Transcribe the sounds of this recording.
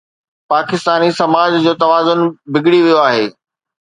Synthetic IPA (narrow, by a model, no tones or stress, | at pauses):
paːkɪst̪aːnisɐmaːd͡ʑd͡ʑoːt̪ɐʋaːzʊnbɪɡɽiʋijoaːɦḛː